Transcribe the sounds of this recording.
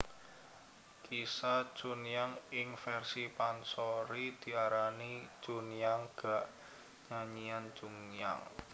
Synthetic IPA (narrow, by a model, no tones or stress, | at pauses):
kʰisḁʒ̥unjaŋɪŋfɛrsipansɔɾid̪̥i̤aɾani̥ʒ̥unjaŋɡ̥a̤ʔ | ɲaɲiand͡ʒuŋja̰ŋ